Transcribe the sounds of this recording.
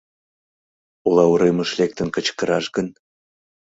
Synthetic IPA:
ulˠɑuɾeməʃlek̚t̪ənkət͡ɕkəɾɑʃɣən

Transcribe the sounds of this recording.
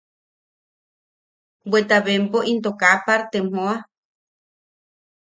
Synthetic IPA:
wet̪aβempoʔint̪okapaɾt̪em̥õa

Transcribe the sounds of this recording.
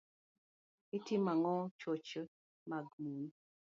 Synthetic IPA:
itimaŋɔt͡ʃot͡ʃ | maɡmui

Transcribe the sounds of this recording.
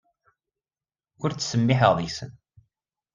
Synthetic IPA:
ʊɾt͡sːsəmːɪħəʁðˤisə̰n

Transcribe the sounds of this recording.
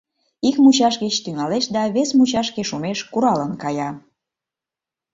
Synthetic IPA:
ikmut͡ɕɑʃɣət͡ɕt̪yŋɑleʃd̪ɑβesmut͡ɕɑʃkeʃumeʃkuɾɑlənkɑjɑ

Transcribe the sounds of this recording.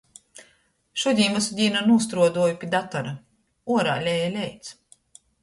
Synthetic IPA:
ʃuɔd̪ʲiːmasud̪ʲiːnanuːs̬t̪ɾuɔd̪uɔjupʲid̪at̪aɾa | uɔɾa̰ːlʲɛjalʲɛjt̪s

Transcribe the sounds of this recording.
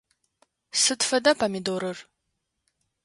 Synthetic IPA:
sɨtfɐdɐpʰɐmidoɾɨr

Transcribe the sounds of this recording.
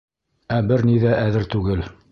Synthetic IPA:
æbɘɾniðæʔæðɘɾt̪ʉɡɘl

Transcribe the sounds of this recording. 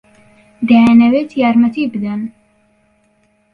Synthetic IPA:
d̪ɛɛnɛweːt̪ʰijaːɾmɛt̪ʰiːbɨd̪ɛn

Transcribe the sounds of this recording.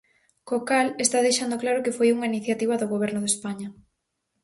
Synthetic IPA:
kokalest̪aðejʃand̪oklaɾʊkefojuŋainiθjat̪iβ̞ɐðʊɣoβ̞ɛɾnʊðespaɲɐ

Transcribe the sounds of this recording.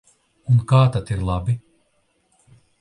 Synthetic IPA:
unkaːt̪at̪iɾlˠabi

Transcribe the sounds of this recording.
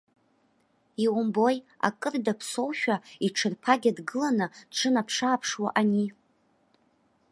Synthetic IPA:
iwʊmbo̞ja̰kʼɨrdapʰso̞wʃᶣaiʈ͡ʂʰɨrpʰaɡʲadɡɨlanɨʈ͡ʂʰɨnapʰʂaːpʰʂwa̰ʔani

